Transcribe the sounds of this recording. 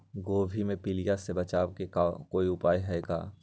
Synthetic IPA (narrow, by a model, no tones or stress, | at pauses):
ɡoːbʱimẽpilijasebɐt͡ʃaːʋkekakoːiʊpaːiɦɛɛɡa̰ː